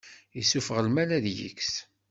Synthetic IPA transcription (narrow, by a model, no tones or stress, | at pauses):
isufəʁəlmælæðjḭks